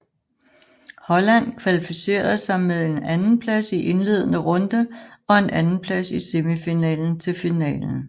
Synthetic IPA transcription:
hɒ̽læn̰kʰʋælifise̝̰ːɐð̩ˠsɑ̈ɪmeðˠe̝nænn̩pʰlæsiʔe̝nle̝ːð̞ˠənəʁɔ̽nd̥əɒ̽e̝nʔænn̩pʰlæsise̝mifinɛ̰ːln̩t͡sʰe̝lfinɛ̰ːln̩

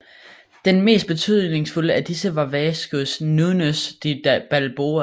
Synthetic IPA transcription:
d̥enme̝̰ːsd̥b̥e̝t͡sʰy̰ð̞̰ˠne̝ŋsfuləʔæd̥isəʋɑ̈ʋɛːsɡ̥usnunəsd̥ib̥ælb̥oːɐ

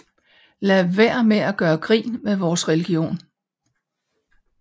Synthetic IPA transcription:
læʋæɐ̰meæɡ̥ɶːɐɡ̥ʁḭːnmeʋɒːsʁɛliɡ̥io̝̰ːn

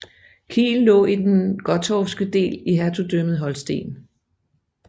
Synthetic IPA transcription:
kʰḭːllɔ̰̽ːid̥enɡ̥ɒ̽t͡sʰɒfsɡ̥əd̥e̝̰ːliɦæt͡sʰud̥øməð̞̩ˠɦɒ̽lsd̥e̝̰ːn

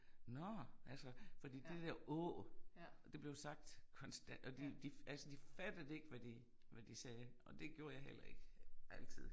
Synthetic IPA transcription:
nɒʔælsəfɒd̥ḭːd̥e̝d̥æɐ̰ʔɔ | d̥e̝b̥le̝ʊsɑ̈ɡ̥̚d̥kʰɒ̽nsd̥ænd̥ɒd̥id̥iælsəd̥ifæd̥əð̩ˠe̝ɡ̥əʋæd̥i | ʋæd̥isɛːɒ̽d̥e̝ɡ̥jo̝ɐjɑ̈ɪhel̰ɐe̝ɡ̥əʔæl̰t͡sʰið̰ˠ

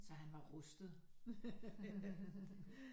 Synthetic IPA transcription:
sɒ̽ɦænʋɑ̈ʁɔsd̥ð̩ˠ

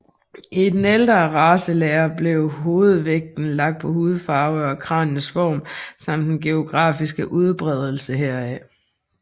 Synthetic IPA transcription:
ʔid̥eneld̥ʁɐʁɑːsəleɐb̥le̝ʊɦo̝ːð̞̩ˠʋeɡ̥̚d̥n̩lɑ̈ɡ̥̚d̥̚pʰɒ̽huːð̞̩ˠfɑ̈ʊɒ̽kʰʁɑ̰̈ːnnəsfɒ̰ːmsɑ̈m̰d̥enɡ̥e̝o̝ɡ̥ʁɑ̰̈ːfisɡ̥əʔuð̞ˠb̥ʁɛð̞ˠl̩səɦeɐ̰ɛ

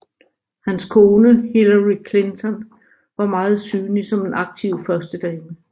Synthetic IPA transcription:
hænskʰo̝ːnəhelɐʁikʰle̝nt͡sʰɒ̽n | ʋɑ̈mɑ̈ːð̞̩ˠsyːnisɒ̽me̝nʔɑ̈ɡ̥̚t͡sʰiʊ̰fɶɐsd̥əd̥ɛːmə

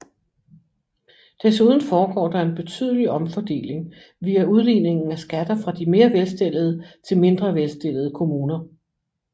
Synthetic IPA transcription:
d̥æsuð̞ˠn̩fɒːɡ̥ɒ̰ːd̥ɑ̈e̝nb̥e̝t͡sʰy̰ð̞ˠliɒ̽mfɒd̥e̝̰ːle̝ŋ | ʋiːæuð̞ˠliːne̝ŋn̩æsɡ̥æd̥ɐfʁɑ̈d̥ime̝ːɐʋelsd̥e̝l̰ð̞̩ˠət͡sʰe̝lme̝nd̥ʁɐʋelsd̥e̝l̰əð̞̩ˠəkʰo̝muːnɐ

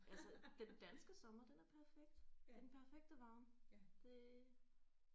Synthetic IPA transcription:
ælsəd̥end̥ænsɡ̥əsɒ̽mɐd̥enæɐpʰæɐfeɡ̥̚d̥enpʰæɐfeɡ̥̚d̥əʋɑ̈ːnd̥e̝

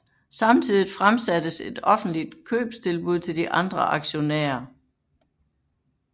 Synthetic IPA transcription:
sɑ̈mt͡sʰiðˠifʁamsæd̥əse̝d̥ɒ̽fn̩d̥lid̥kʰø̰ːb̥st͡sʰe̝lb̥uð̞̰ˠt͡sʰe̝ld̥iʔɑ̈nd̥ʁɐʔɑ̈ɡ̥ɕo̝næ̰ːɐ

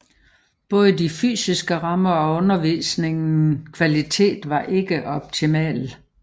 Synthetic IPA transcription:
b̥ɔ̽ːð̞ˠəd̥ify̰ːsisɡ̥əʁɑ̈mɐɒ̽ɔ̽nɐʋḭːsne̝ŋn̩kʰʋælit͡sʰe̝̰ːd̥ʋɑ̈ʔe̝ɡ̥əʔɒ̽b̥̚t͡sʰimɛ̰ːl

